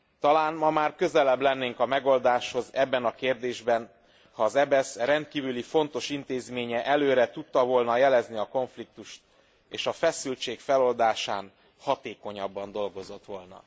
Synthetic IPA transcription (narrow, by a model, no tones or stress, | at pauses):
t̪ɒlaːnmɒmaːrkø̞zɛlɛblɛnːeːŋkɒmɛɡo̞ld̪aːʃho̞zɛbːɛnɒkeːrd̪eːʒbɛn | hɒːzɛbɛsrɛnt̪̚kiːvylifo̞nt̪o̞ʃint̪eːzmeːɲɛʔɛløːɾɛt̪ut̪ːɒvo̞lnɒjɛlɛzniɒko̞ɱflik̚t̪uʃt̪ | eːʃɒfɛsylt͡ʃeːkfɛlo̞ld̪aːʃaːn | hɒt̪eːko̞ɲɒbːɒnd̪o̞lɡo̞zo̞t̪ʋo̞lnɒ̰